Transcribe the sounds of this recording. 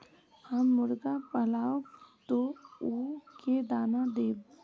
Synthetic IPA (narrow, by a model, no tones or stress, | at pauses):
həmːʊɾɡapəlaːot̪ouked̪aːnad̪eːb